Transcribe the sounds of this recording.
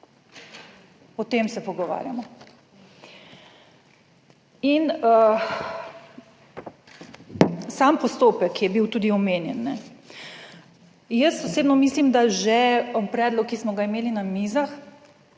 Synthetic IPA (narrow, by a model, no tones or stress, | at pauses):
ɔt̪emsɛpɔɡɔʋa̰ːɾja̰mɔ | inə | sampɔst̪oːpɛkːjɛbiwt̪uːd̪iɔmeːnjɛ̰nːɛ | jəsɔseːbnɔmislimd̪aʒɛpɾɛːd̪lɔkːismɔɡaimeːlinamiːzax